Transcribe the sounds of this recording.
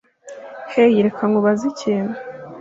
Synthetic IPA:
hejiɾekʰaŋɡoβazicʰeːna

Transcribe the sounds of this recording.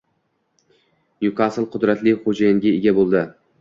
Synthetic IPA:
njʊkʰasɨlˠqʰʊd̪ɾat̪lɪχod͡ʒajɪŋɡʲaeɡʲabolˠd̪ɪ

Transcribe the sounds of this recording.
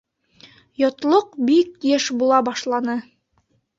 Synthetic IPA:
jot̪lˠoqbik̚jeʃbulˠɑbɑʃlˠɑnɤ

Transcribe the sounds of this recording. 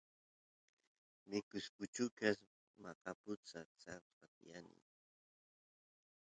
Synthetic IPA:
mɪkʊskʊt͡ʃʊkas | maqapʊt͡sat͡sa | at̪janɪ̰

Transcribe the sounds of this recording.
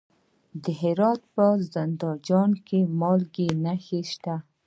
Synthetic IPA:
d̪əɦɪɾɑt̪̚pəzand̪ɑd͡ʒɑnkemɑlɡenaxeʃt̪a

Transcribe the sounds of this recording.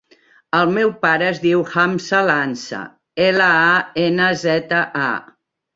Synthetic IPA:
əlˠmɛwpaɾəːzðiwhamsalansə̰ | eləaenəzɛt̪əʔa̰

